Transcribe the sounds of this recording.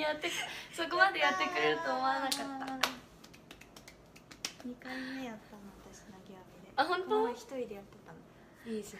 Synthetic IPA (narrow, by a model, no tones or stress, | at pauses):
jat̪ːekso̞k̬o̞mad̪e̞jat̪ːe̞kɯ̟ɾe̞ɾɯ̟t̪oːmoaɾanakaːa | ɲikãmmejat̪ːanoat̪aɕnaɡʲeabʲid̪eaɦõnt̪oçi̥t̪o̞id̪e̞jat̪ːe̞t̪ãn | i